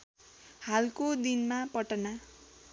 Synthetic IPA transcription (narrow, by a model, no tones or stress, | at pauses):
halkod̪inmapʌʈʌna